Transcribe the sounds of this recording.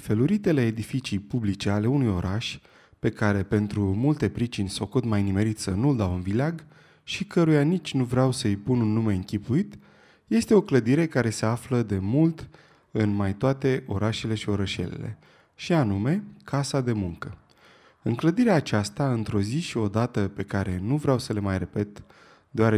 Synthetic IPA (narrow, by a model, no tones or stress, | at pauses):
feluɾit̪e̞le̞ːd̪ifit͡ʃijpublit͡ʃe̞ale̞unujo̞ɾʔaʃʲ | pe̞kaɾe̞pe̞nt̪ɾumult̪e̞pɾit͡ʃinʲsokut̪majnime̞ɾit̪sənuld̪awɨnvilaɡ | ʃikəɾujanit͡ʃʲnuvɾeawsəɨjpununːume̞ɨŋkʲipuit̪ | je̞st̪e̞o̞kləd̪iɾe̞kaɾe̞se̞afləd̪e̞mult̪ | ɨnmajt̪oat̪e̞ʔo̞ɾaʃe̞le̞ʃio̞ɾəʃe̞̰lḛle̞̰ | ʃianume̞kʰasad̪e̞muŋkə | ɨŋkləd̪iɾeaːt͡ʃast̪aɨnt̪ɾo̞ziʃio̞d̪at̪əpe̞kaɾe̞nuvɾeawsəle̞majre̞pe̞t̪ | d̪eaɾe